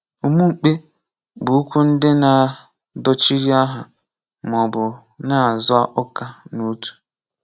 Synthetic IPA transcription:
u˨mu˦ŋ͡m̩˨k͡pe˦ | bʊ˨u˦kʷu˦n̩˦dɪ˦na˨ | dɔ˦t͡ʃi˦ɾi˦a˦ɦa˨ | m˨ɔ˨bʊ˨ | na˦˨zʊ˦a˦ʔɔ˦ka˦nu˦tu̥˨

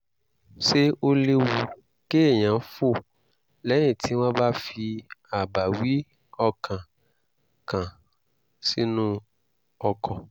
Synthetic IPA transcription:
se˦o˦le˦wu˨ | ke˦e˦˨ɲã˨˦fo˦˨ | lɛ˨˦ĩ˨tʰi˨˦wã˦ba˦fi˧a˨ba˨wi˦ | ɔ˧kʰã˨ | kã˨ | si˦nũ˦ | ɔ˧kʰɔ˨

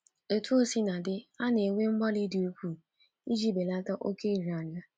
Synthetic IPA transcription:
e˨tu˦o˦si˦na˨dɪ˦a˦ne˨ŋʷe˦ŋ͡m̩˦ɡ͡ba˦li˦dɪ˨o˦kʷu˦ | i˦d͡ʒi˦be˨la˦ta˦ʔo˦ke˦˨ɾa˨ɲa˦

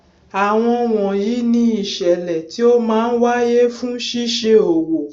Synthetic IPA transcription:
a˨w̃ɔ̃˧w̃ɔ̃˨ji˨˦nĩ˧˦i˨ʃɛ˨lɛ˨ti˨˦o˦mãː˦n̩˦wa˦je˦fũ˦ʃi˦ʃe˧o˨wo˨

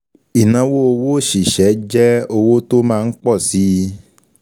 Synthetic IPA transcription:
i˨nã˧wo˦o˧wo˦˨ʃi˨ʃɛ˨˦d͡ʒɛ˦o˧wo˦to˦mãː˦˧˦k͡pɔ˦˨si˨˦˧

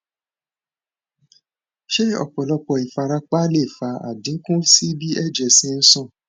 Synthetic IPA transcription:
ʃe˦ɔ̰˦˨k͡pɔ˨lɔ˧k͡pɔ˨i˨fa˧ɾa˧k͡pa˦le˦˨fa˨˦a̰˨dĩ˨˦kũ˦si˦bi˦ɛ˦˨d͡ʒɛ˨sĩ˧˦n̩˦sɔ̃˦˨

